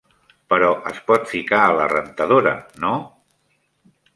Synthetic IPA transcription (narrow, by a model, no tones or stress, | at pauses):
pəɾɔʔəspɔt̪fikaələ̰rənt̪əðoɾə̰no